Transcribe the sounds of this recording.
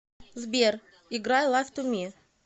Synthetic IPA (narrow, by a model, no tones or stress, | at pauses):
zbʲer | ɪɡɾajlˠajft̪ʊmʲi